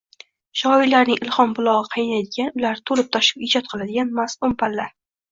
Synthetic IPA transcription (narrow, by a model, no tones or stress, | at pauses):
ʃɒɪlaɾnɪŋɪlˠχɒmbʊlˠɒʁɨqʰɑjnajd̪ɪɡʲanʊlaɾt̪ʰolɪp̚t̪ʰɒʃɪ̥pɪd͡ʒɒt̪̚qʰɨlˠad̪ɪɡʲanmasʊmpalːaɾ